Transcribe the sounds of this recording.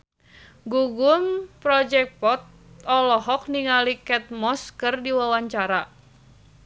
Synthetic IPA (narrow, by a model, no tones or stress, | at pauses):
ɡuɡumpɾɔd͡ʒɛk̚pɔt̪̚ | ɔlɔɦɔk̚niŋalikɛt̪̚mɔskərdiwawaɲt͡ʃaɾa